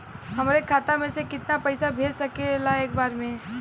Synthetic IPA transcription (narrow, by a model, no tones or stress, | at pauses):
hɦɐmɾekʰaːt̪amẽsekɪt̪napɐɪsabʱeːɾsɐkelaeːk̚baːɾmẽ